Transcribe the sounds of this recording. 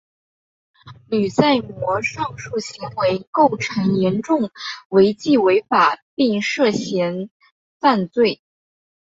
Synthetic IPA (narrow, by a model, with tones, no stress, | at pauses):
ly˨˩t͡sa˥˩ɪmwɔ˧˥ʂɑ˥˧ŋʂu˥˩ɕi˧˥ŋwe˧˥ɪko˥˩ʊʈ͡ʂʰɤ˧˥ŋjɛ˧˥nʈ͡ʂʊ˥˩ŋwe˧˥ɪt͡ɕi˥˩we˧˥ɪfa˨˩pi˥˧ŋʂɤ˥˩ɕjɛ˧˥n | fa˥˧nt͡swe˥˩ɪ